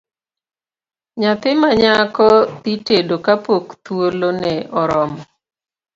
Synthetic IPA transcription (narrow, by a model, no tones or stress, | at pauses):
ɲat̪ɪmaɲakɔt̪itedokapokt̪wolonɛʔɔɾɔmɔ